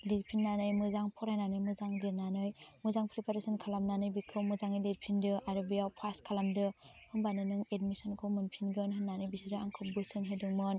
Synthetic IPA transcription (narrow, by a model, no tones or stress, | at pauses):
liɾ̚pʰinːanɯjmɯzaŋpʰɔɾajnanɯjmɯzaŋdiɾnanɯjmɯzaŋpʰɾipʰaɾesɯnkʰalamnanɯjbikʰɯwmɯzaŋilit̚pʰindɯʔaɾobijawpʰaskʰalamdɯ | hɯŋbanɯnɯŋedmisɔnkʰɯwmɯnpʰinɡɯnɦɯnːanɯjbisiɾɯaŋkʰɯp̚bɯjsɯnɦedɯŋmɯn